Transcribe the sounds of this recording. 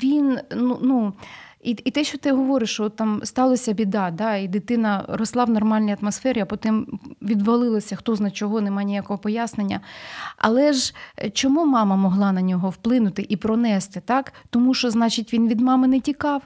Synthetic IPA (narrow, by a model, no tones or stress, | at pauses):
ʋʲinnunu | iit̪ɛʃt͡ʃɔt̪ɪɦɔʋɔɾɪʃɔɔt̪ːɑmst̪ɑlˠɐsʲɐbʲid̪ɑd̪ɑid̪ɪt̪ɪnɐɾɔslˠɑʋnɔrmɑlʲnʲijɐt̪mɔsfɛɾʲɪɐpɔt̪ɪmʋʲid̪ʋɐlˠɪlˠɐsʲɐxt̪ɔznɐt͡ʃɔɦɔnemɑjnʲijakɔɦɔpɔjasnenʲːɐɐ̰lˠɛʒt͡ʃɔmumɑmɐmɔɦlˠɑnɐnʲɔɦɔwplˠɪnʊt̪ɪʔipɾɔnɛst̪ɪt̪ɑkt̪ɔmuʃt͡ʃɔznɑt͡ʃɪtʲʋʲinʋʲid̪mɑmɪnɛtʲikɑw